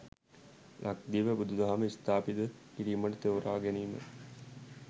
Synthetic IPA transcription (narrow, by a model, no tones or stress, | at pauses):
lʔak̚d̪iːʋəbud̪ud̪aɦaməist̪aːpid̪ə | kiɾiːməʈət̪eʋuɾaːɡeniːmə̰